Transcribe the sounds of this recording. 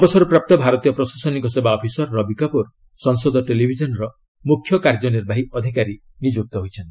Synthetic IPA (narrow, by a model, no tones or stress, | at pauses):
ɔbɔsɔɾupɾap̚t̪ɔbʱaɾɔt̪ijɔpɾɔsasɔnikɔsebaɔpʰisɔɾːɔbikɔpuɾ | sɔŋsɔd̪ʱɔʈelibʱid͡ʒɔnɔɾɔ | mukʰːjɔkaɾd͡ʒɔniɾbʱaɦiɔd̪ʱikaɾi | nid͡ʒuk̚t̪ɔɦojt͡ʃʰɔnt̪i̥